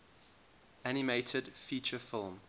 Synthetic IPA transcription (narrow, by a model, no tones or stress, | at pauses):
anɪmeɪtʰədfiːˑt͡ʃəfɪlˠm